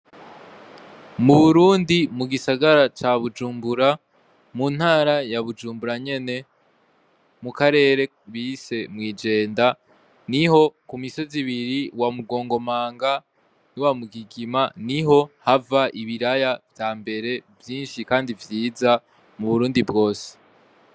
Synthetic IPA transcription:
muβuɾuːndimuɡisaɡaɾat͡ʃaβud͡ʒuːmbuɾa | mun̥haːɾajaβud͡ʒuːmbuɾaɲe̞ne̞ | mukaɾe̞ːɾe̞ | βise̞mwiːd͡ʒe̞ːnda | niho̞kumiso̞ziβiɾiwamuɡo̞ːŋɡo̞maːŋɡa | niwamuɡiɡimaniɦo̞havaʔiβiɾajavjaːmbe̞ɾe̞vjiːnʃikaːndivjiːza | muβuɾuːndibɡo̞ːse̥

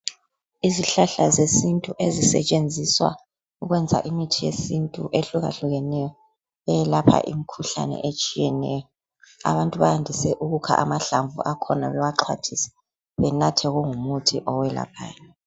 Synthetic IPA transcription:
iziɬaɬazesintʼuʔezisɛ̰t͡ʃʼend͡zʱiswa̰ | uɣwɛnd͡zʱa̰ʔimitʰijesintʼuʔeɬuɣa̰ɬuɣɛnɛjɔ | βɛjɛlapʰa̰ʔḭmikʰuɬa̰nɛ̰ʔet͡ʃʼijɛnɛjɔ | a̰βantʼuβajandʱisɛʔuɣukʰa̰ʔamaɬaɱvṵʔakʰɔnaβɛwaǁʰwa̰tʰisɛ̥ | βɛnatʰɛɣuŋumutʰiʔɔwɛla̰pʰa̰ːjɔ

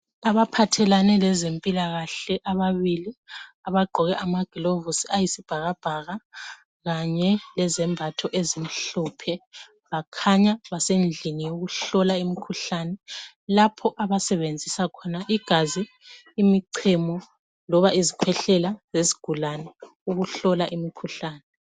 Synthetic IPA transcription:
aβapʰatʰɛlanɛlɛzempʼilaɣaɬɛʔaβaβiliaβaɡ͡ǃʱɔɣɛʔamaɡ̥ʱilovusiajisib̥ʱaɣab̥ʱaɣa | ɣaɲɛlɛzɛmbʱatʰɔʔezim̩ɬɔpʰɛ | βakʰaɲaβasend͡ɮʱinijoɣuɬɔlaimikʰuɬanɛ | lapʰɔʔaβasɛβend͡zʱisakʰɔnaʔiɡ̥ʱaziː | miǀʰɛmɔ | lɔβaizikʰwɛɬɛlazeziɡ̥ʱulanɛ | uɣuɬɔlaʔimikʰuɬaːnɛ

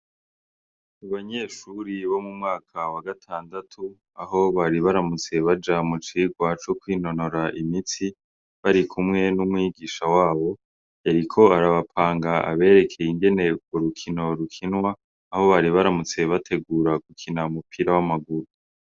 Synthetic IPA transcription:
uβaɲe̞ːʃuɾiβo̞mumŋaːkʰawaɡatʰaːndatʰu | aɦo̞βaɾiβaɾamut͡se̞βad͡ʒamut͡ʃiɡwat͡ʃokwiːno̞no̞ɾaʔimit͡si | βaɾikʰumŋe̞numŋiːɡiːʃawaːβo̞ | jaɾikʰo̞aɾaβapʰaːŋɡaa̰βe̞ːɾe̞kʰe̞jiŋɡe̞ne̞uɾukʰino̞ɾukʰinwaː | ho̞βaɾiβaɾamut͡se̞βatʰe̞ɡuːɾaɡ̥ukʰinaumupʰiɾawamaɡuɾu

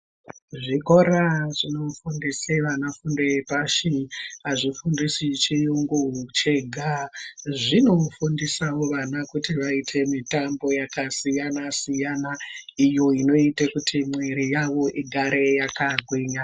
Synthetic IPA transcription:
ʐiko̞ɾaʐino̞fundiseʋanafundepaʃiɦaʐifundisit͡ʃijuŋɡut͡ʃeɡʱaʐino̞fundisawo̞ʋanakutiʋaitʰe̞mitambo̞jakasijanasijanaijo̞ino̞itekutʰimweɾijaʋo̞ʔiɡʱaɾe̞jakaɡʱwiɲa

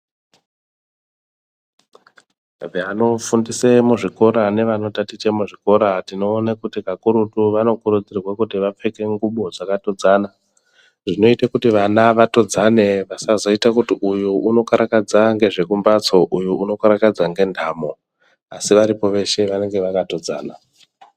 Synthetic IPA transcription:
veano̞fundisemuʐiko̞ɾane̞ʋano̞tatit͡ʃe̞muʐiko̞ɾatino̞ːnakutikakuɾutuʋano̞kuɾud͡zirrwakutiʋap͡fe̞ke̞ŋɡuɓo̞d͡zakato̞d͡zaːna | ʐino̞itakutiʋanaʋato̞d͡zane̞ʋasazo̞itakutiʔujuuno̞kaɾakad͡zaŋɡe̞ʐe̞kumbat͡so̞ʔujuuno̞kaɾakad͡zaŋɡe̞ndʱaːmo̞ | asiʋaɾipo̞ʋe̞ʃe̞ʋane̞ŋɡe̞ʋakato̞d͡za̰ːna

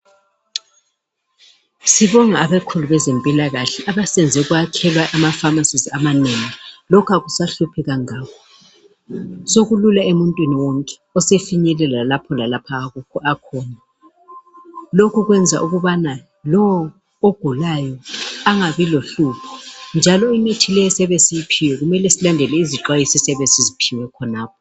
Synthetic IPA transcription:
siβɔŋaːβɛkʰuluβɛzempʼilaɣaɬɛʔaβasɛnd͡zʱɛɣwakʰɛlwaʔamafamasizamaneŋilɔkʰaɣusaɬupʰɛɣaŋaːkʰɔ | soɣululaemuntʼwiniwoŋkʼɛ̥ɔsefiɲɛlɛlalapʰɔlalapʰaːɣukʰɔakʰɔːna | lokʰuɣwɛnd͡zʱa̰ʔuɣuβana | lɔw | oɡ̥ʱulajɔaŋaβiloɬupʰɔnd͡ʒʱalɔinitʰilɛjɛsɛβesʼijipʰiwɛɣumɛlɛsilandʱɛlɛiziǁwajisisɛβensʼizipʰiwɛkʰɔnaːp̚ʰɔ

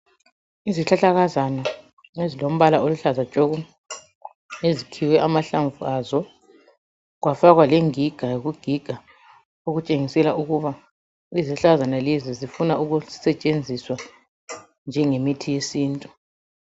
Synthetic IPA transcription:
iziɬaɬaɣazana | ezilom̩βalaoluɬazat͡ʃʼoɣu | ezikʰiwɛʔamaɬaɱvuazɔ | ɣwafaɣwalɛŋiɡ̥ʱaɣuɡ̥ʱiɡ̥ʱa | oɣut͡ʃʼeŋisɛlaʔuɣuβa | iziɬɬaɣazanalezizifunauɣusɛt͡ʃʼend͡zʱiswa | nd͡ʒʱɛŋemitʰijesiːntʼu

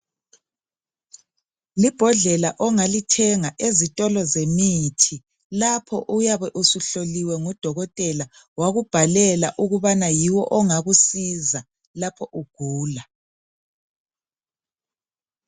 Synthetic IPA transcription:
lib̥ʱɔɮɛlaʔɔŋalitʰɛŋaʔezitʼɔlɔzemitʰi | lapʰɔ̰ʔujaβɛʔusuɬoliwɛŋud̥ʱɔɣɔtʼɛla | waɣub̥ʱalɛlaʔuɣuβanajiwɔʔɔŋaɣusiza | lapʰɔʔuɡ̥ʱuːla

